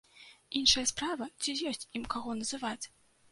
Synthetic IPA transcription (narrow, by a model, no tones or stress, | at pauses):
inʂɐjɐspɾavɐt͡sʲijɔsʲt͡sʲimkaɣɔnɐzɨvat͡sʲ